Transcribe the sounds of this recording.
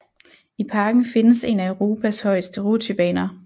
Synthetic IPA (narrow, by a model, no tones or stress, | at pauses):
ipʰɑ̈ːɡ̥n̩fe̝nəse̝næəʊʁo̝ːpʰæshɒ̽ɪ̰sd̥əʁo̝t͡sʰyb̥ɛ̰ːnɐ